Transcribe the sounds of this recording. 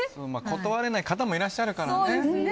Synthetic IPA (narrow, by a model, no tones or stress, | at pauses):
somaːkʰo̞t̪oβaɾe̞naikat̪amo̞iɾaɕːaɾɯ̟kaɾa